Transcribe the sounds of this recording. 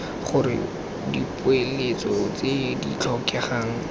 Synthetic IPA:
χʊɾɪ̰ | dipʊelet͡sɔt͡sedit͡ɬʰɔkɛχaːŋ̩

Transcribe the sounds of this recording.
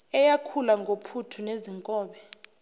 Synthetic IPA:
ɛjakʰulaŋɡʱopʰutʰuneziŋkʼɔːɓɛ

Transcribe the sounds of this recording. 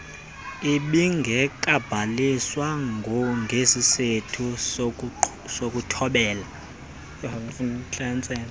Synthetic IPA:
iɓiŋɡʱɛkʼab̥ʱaliswaŋɡʱɔŋʱesisetʰu | sok̬ʼutʰɔɓɛːla | funt͡ɬant͡sʼɛːn

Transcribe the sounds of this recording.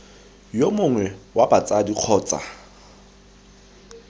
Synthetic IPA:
jomʊŋwɛwabat͡sʼadiq͡χʰɔːt͡sʼa̰

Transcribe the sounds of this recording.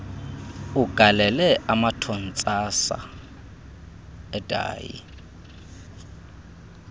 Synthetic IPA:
uɡ̥ʱalɛlɛʔamatʰɔn̩t͡sʼasa̰ | ɛtʼa̰ːjḭ

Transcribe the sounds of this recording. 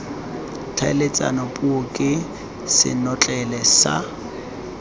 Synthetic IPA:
tʰalet͡sʼa̰nɔpʼuʊkʼɪ | sɪ̰nɔt͡ɬʼɛlɛsa̰

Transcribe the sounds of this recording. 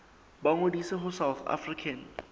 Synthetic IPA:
baŋodisɪɦʊsawθa̰frikʰan

